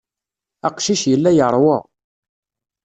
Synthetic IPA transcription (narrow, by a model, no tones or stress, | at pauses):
ɑqʃiʃjəlːæjəʁɾˤwə̰